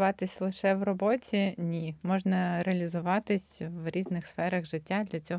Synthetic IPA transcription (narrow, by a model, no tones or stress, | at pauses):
ʋɑt̪ɪsʲlˠɪʃɛʋrɔbɔtʲinʲimɔʒnɐɾeɐlʲizʊʋɑt̪ɪsʲʋɾʲiznɪxsfɛɾɐɣʒɪtʲːad̪lʲɐt͡sʲɔ